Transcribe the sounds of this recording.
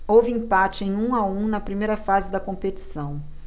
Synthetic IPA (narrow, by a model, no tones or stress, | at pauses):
owvɪĩpat͡ʃɪẽj̃ũaũnɐpɾimejɾɐfazɪd̪ɐkõpet͡ʃi̥sɐ̃w̃